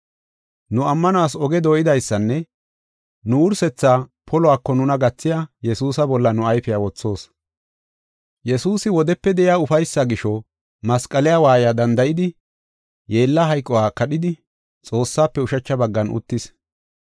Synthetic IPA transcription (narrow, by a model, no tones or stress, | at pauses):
nʊɐmːɐnʊaːsɔɡɛd̪ojɪd̪ɐjsːɐnːɛ | nʊʊɾsɛt͡sːaːpʰɔlɔaːkːɔnʊnɐɡɐt͡sːɪjajɛsuːsɐbɔlːɐnʊɐjfɪjawɔt͡sːo̞ːs | jɛsuːsɪwɔd̪ɛpːɛd̪ɛʔɪjaːʊfɐjsːɐɡɪʃɔ | mɐskʼɐlɪjaːwaːjaːd̪ɐnd̪ɐjɪd̪ɪ | je̞ːlːɐɦɐjkʼːɔwaːkɐɗɪd̪ɪ | t͡sʼo̞ːsːaːpːɛʊʃɐt͡ʃːɐbɐɡːɐnʔʊ̰t̪ːɪs